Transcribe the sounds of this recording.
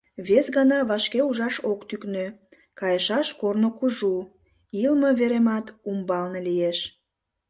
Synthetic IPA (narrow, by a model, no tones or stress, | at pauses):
βesɣɑnɑβɑʃkeuʒɑʃokt̪yknø | kɑjəʃɑʃkornokuʒu | ilməβeɾemɑt̪umbɑlnelieʃ